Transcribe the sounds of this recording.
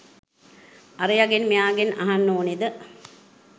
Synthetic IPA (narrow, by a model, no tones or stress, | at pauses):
ɐɾijɐɡenmijaːɡenɐ̰ɦanːoːnid̪ə